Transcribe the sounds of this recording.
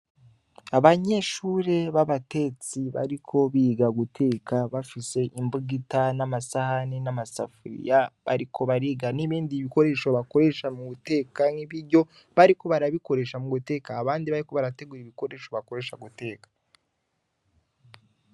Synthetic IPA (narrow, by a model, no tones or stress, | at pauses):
aβaɲe̞ʃuːɾe̞βaβate̞t͡siβa̰ɾikʰo̞βiːɡaɡutʰe̞ːkaβafise̞ʔimbuɡitanamasahanenamasa̰fuɾḭjaβa̰ɾikʰo̞βaɾiɡaniβiːndiβiko̞ɾe̞ʃo̞βako̞ɾe̞ʃamuute̞ːkaŋiβiɾɟo̞ | βaɾiko̞βaɾaβiko̞ɾe̞ʃamuɡute̞ːkaːβaːndiβaɾiko̞βaɾate̞ɡuɾiβiko̞ɾe̞ʃo̞βako̞ɾe̞ʃaɡute̞ːkḁ